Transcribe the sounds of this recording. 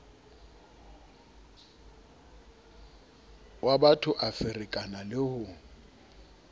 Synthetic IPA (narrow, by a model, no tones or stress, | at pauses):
wabatʰʊʔafɪrɪkʼanalɪhʊ